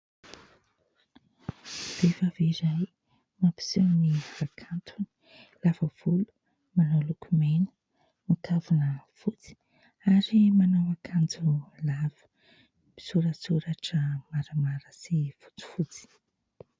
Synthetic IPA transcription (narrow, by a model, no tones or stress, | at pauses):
b̥efaviɾaj | mapi̥suniakʰant̪ʰuni̥ | lavəv̥ulu̥ | manawlukʰumenə̥ | mikʰavunəfut͡si̥ | aɾimanawakʰand͡zulavə̥ | pi̥suɾəsuɾaʈ͡ʂəmaɾəmaɾəsivu̥t͡si̥fut͡si̥